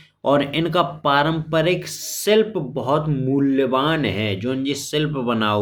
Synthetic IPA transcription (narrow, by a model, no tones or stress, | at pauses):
ɔːɾɪnkapaːɾə̃mpəɾeksɪlpbɔɦɔt̪muljəʋaːnɦɛd͡ʒõːnd͡ʒesɪlpbɐnaːo